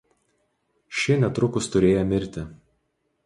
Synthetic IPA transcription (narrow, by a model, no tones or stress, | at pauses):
ʃʲɪnʲɛt̪ɾʊkʊst̪ʊɾʲeːjɛmʲɪɾʲt̪ʲɪ